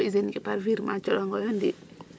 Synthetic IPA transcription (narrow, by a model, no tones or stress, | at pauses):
izenikipaɾviɾma̰t͡ʃɔɗɔŋɡɔjɔndi